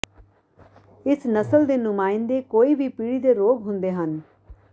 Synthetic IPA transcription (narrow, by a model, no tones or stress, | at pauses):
ɪsnəsəld̪eːnʊmaːɪnd̪eːkoːiːbʱiːpiːɽiːd̪eːɾoːɡɦʊnd̪eːɦən